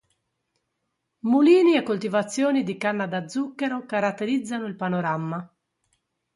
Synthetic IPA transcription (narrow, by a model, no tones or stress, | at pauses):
muliːniɛkːolt̪ivat̪sːjɔːnid̪ikanːad̪ad̪zːukːɛɾokaɾat̪ːeɾid̪zːanoilpanɔɾamːa